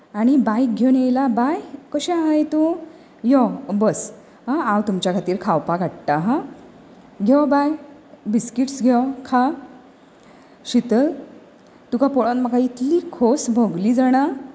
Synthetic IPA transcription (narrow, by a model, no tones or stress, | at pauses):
aɽ̃ibajk̚ɡʱenejlabajkəɕɛ̃ɦəjt̪u | jɔbəs | ɦãawt̪umt͡ɕjakʰat̪iːɾkʰawpaɡʱaɽʈ̪aɦã | ɡʱɛwbajbiskiʈsɡʱɛwkʰa | ɕit̪əl | t̪ukapɔɭɔnt̪məkait̪liːkʰosbʱoɡliːd͡zəɽ̃a